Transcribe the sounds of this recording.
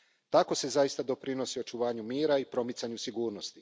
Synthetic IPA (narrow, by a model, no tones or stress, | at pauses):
t̪ako̞se̞zajist̪ad̪o̞pɾino̞sio̞t͡ʃuʋaːɲumiːɾaipɾo̞mit̪saɲusiɡuːɾno̞st̪i